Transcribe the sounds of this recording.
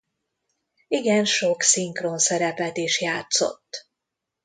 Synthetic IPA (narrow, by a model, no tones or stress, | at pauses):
iɡɛnʃo̞ksiŋkronsɛɾɛpɛt̪iʃjaːt̪so̞̰t̪ː